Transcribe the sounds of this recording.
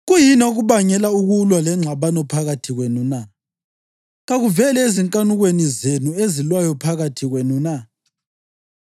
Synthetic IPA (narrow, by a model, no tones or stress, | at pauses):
ɣujinoɣuβaɲɛlauɣulwalɛŋ͡ǁʱaβanɔpʰaɣatʰiɣwenuna | ɣaɣuvɛlɛeziŋkʼanuɣwenizenuezilwajɔpʰaɣatʰiɣwenuna